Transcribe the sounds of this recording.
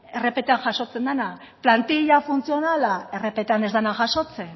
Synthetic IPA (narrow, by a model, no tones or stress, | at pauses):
e̞re̞pe̞t̪eanʝaʃo̞t͡se̞nd̪ana | plant̪iʎafunt͡sijo̞nalae̞re̞pe̞t̪eane̞zðanaʝaʃo̞t͡se̞